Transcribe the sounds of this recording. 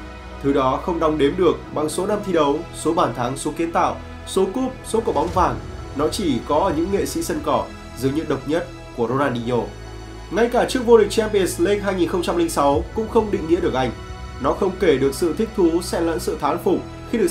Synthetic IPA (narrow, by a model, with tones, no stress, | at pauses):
t̪ʰɨ˨˦ɗɔ˨˦xə˧wŋ͡mɗa˧wŋ͡mɗe˨˦mɗɨ˨˩ək̚ɓa˨˩ŋso˨˦na˧mt̪ʰi˧ɗə˨˦wso˨˦ɓaː˧˩nt̪ʰaː˨˦ŋso˨˦ki˨˦ənt̪a̰ː˧˨w | so˨˦ku˦˥p̚so˨˦kɔ˧˩ɓa˨˦wŋ͡mvaː˨˩ŋ | nɔ˨˦t͡ɕi˧˩kɔ˨˦˨ɲɨ̰˧˥ŋːḛ˧˨sḭ˧˥sə˧nkɔ˧˩ | zɨ˨˦jɲɨ̰˧˥ɗə˨˩wk͡p̚ɲə˦˥t̚ | ku˧˩əɾo˧naː˧nɗi˧ɲo˧˩ | ŋa˧jkaː˧˩t͡ɕɨ˦˥ək̚vo˧ɗï˨˩k̟̚t͡ɕɛ˧npe˧˩sle˧ŋɦaː˧jŋi˨˩nxə˧wŋ͡mt͡ɕa˧mli˧ŋ̟sa˨˦wkʊ̰˧˥ŋ͡mxə˧wŋ͡mɗḭ˧˨ŋːḭ˧˥əɗək̚ʔa˧˩jŋ̟ | nɔ˨˦xə˧wŋ͡mke˧˩ɗɨ˨˩ək̚sɨ̰˧˨t̪ʰï˦˥k̚t̪ʰu˨˦sɛ̰˧˥lə̰ː˧˥nsɨ̰˧˨t̪ʰaː˨˦nfʊ˨˩k͡p̚ | xi˧ɗɨ˨˩ə˩